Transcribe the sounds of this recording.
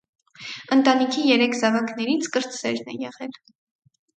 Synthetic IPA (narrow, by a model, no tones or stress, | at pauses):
ənt̪ɑnikʰijɛɾɛkʰzɑvɑknɛɾit͡sʰkəɾt͡ssɛɾnɛ̰jɛʁɛl